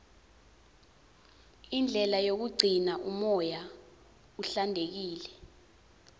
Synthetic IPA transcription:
ind͡ɮʱɛlajok̬uɡ͡ǀʱinaʔumɔja | uɬandʱek̬iːlɛ

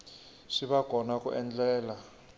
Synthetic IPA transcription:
ʂiβakɔnakʼṵʔɛnd͡ɮɛːla

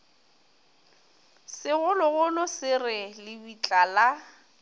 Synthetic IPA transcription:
sɪɣʊlʊɣʊlʊsɪrɪlɪbit͡ɬʼala

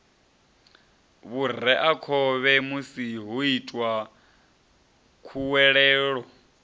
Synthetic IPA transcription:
βur̤ɛʔakʰɔβɛmusiɦuitʼwa | kʰuwɛɺɛːɺɔ

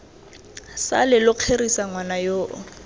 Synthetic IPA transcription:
sa̰lɪlʊq͡χʰerisaŋwanajoːʔɔ̰

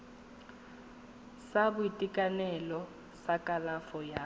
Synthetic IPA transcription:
sabʊitʼikʼanɛlɔ | sakʼalafɔja

